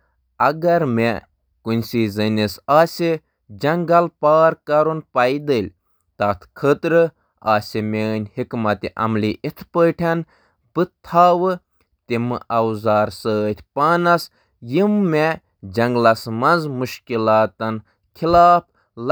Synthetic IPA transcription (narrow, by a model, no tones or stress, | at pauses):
ɐɡɐɾme | kunʲsizənʲisaːsʲi | d͡ʒɐŋɡɐlpaːɾkɐɾunpɐid̪əlʲ | t̪ɐt̪ʰkʰəːt̪ɾɨ | a̰ːsʲimʲeːnʲhikmɐt̪iʔɐ̰mliʔit̪ʰpəːʈʰɐn | bɨt̪ʰːaːwɨ | t̪imɨʔɐwzaːɾsəːt̪ʲʰpaːnɐs | jimːe | d͡ʒɐŋɡlɐsmɐnzmuʃkilaːt̪ɐn | kʰilaːp̚ʰ | l